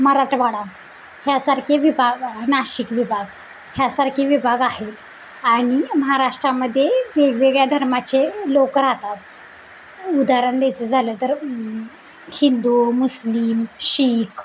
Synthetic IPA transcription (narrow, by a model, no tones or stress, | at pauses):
məɦaɾaʂʈʋaɽa | hjasaɾkʰeʋibʱaɡnaɕikʋibʱaɡ | hjasaɾkʰeʋibʱaɡahet̪ | aɽ̃iməɦaɾaʂʈɾaməd̪ʱːjeʋeɡʋeɡɭjad̪ʱəɾmat͡ɕelokəɾat̪at̪̚ | ud̪aɾənd̪et͡səd͡zʱalət̪əɾ | hind̪umuslimɕiːkʰ